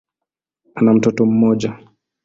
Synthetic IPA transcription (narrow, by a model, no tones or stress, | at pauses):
anam̩tɔtɔm̩ːɔːd͡ʒa